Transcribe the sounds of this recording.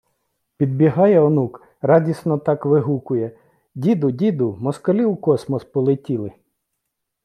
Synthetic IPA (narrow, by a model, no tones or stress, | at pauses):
pʲid̪̚bʲiɦɑjɛɔnuk | rɑdʲisnɔt̪ɑkʋɪɦukʊjɛ | dʲid̪ʊdʲid̪ʊmɔskɔlʲiwkɔsmɔspɔlˠɪtʲilˠɪ